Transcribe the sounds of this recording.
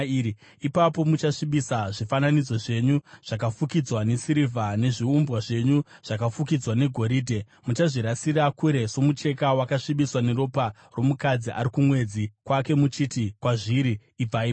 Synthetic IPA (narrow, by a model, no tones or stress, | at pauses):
iːi | ipapo̞mut͡ʃaʂiɓisaʐifananid͡zo̞ʐe̞ɲuʐ̥ak̬afukid͡zwane̞siɾivʱane̞ʐiumbwaʐe̞ɲuʐ̥akafuk̬id͡zwane̞ɡʱo̞ɾiːdʱe̞ | mut͡ʃaʐiɾasirakuɾe̞so̞mut͡ʃe̞kawakaʂiɓiswane̞ɾo̞pa | ro̞mukad͡ziʔa̰ɾikumwe̞d͡zikwake̞mut͡ʃitikwaʐiɾiː | b͡vai